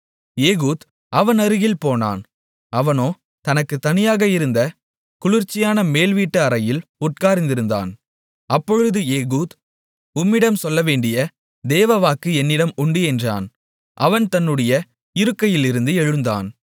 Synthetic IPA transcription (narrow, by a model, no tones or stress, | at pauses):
eːɣuːd̪ | ʔɐʋɐnɐɾɯɣɪlpoːna̰ːn | ɐʋɐnoː | t̪ɐnɐkːɯt̪ːɐnɪjaːɣɐɪɾɯnd̪ɐ | kʊlɪɾt͡ʃːɪjaːnɐmeːlʋiːʈːɐɐɾɐjɪlʊʈ̚kaːɾɪnd̪ɪɾɯnd̪a̰ːn | ɐpːɔɻɯðɯeːɣuːd̪ | ʊmːɪɽɐmsɔlːɐʋeːɳɖɪjɐ | d̪eːʋɐʋaːkɯɛnːɪɽɐmʊɳɖɯɛndra̰ːn | ʔɐʋɐnt̪ɐnːɯɽɐjɐ | ɪɾɯkːɐjɪlɪɾɯnd̪ɯɛɻɯnd̪a̰ːn